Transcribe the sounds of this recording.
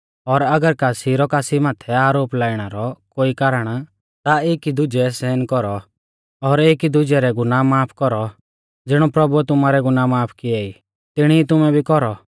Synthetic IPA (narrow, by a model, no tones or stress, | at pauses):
ɔɾɐɡəɾkaːsiɾɔkaːsimaːt̪ʰɛaːɾoːplaːiɽ̃aɾɔkoːikaːɾəɽ̃ | t̪aeːkid̪ʊd͡ʒɛsɛːnkɔɾɔ | ɔɾeːkid̪ʊd͡ʒɛɾɛɡʊnaːmːaːpʰkɔɾɔ | d͡zɪɽ̃ɔpɾɐbuɛt̪ʊmaːɾɛɡʊnaːmaːpʰkɪɛi | t̪ɪɽ̃iːt̪ʊmɛbʱikɔɾɔ